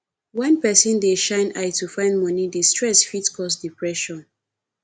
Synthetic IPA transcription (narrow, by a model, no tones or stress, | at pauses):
wɛ̃npɛsɔ̃ndeʃãɪ̃naɪtufãɪ̃ndmɔnidestɹɛsfitkʰɔsdipɹɛʃɔ̃n